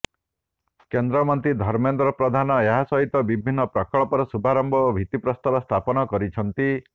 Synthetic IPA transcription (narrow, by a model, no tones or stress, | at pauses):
kend̪ɾɔmɔnt̪ɾid̪ʱɔɾmend̪ɾɔpɾɔd̪ʱanɔeɦasɔɦit̪ɔbibʱinːɔpɾɔkɔɭɔpɔɾɔsubʱaɾɔmbɔobʱit̪ipɾɔst̪ɔɾɔst̪ʰapɔnɔkɔɾit͡ʃʰɔnt̪i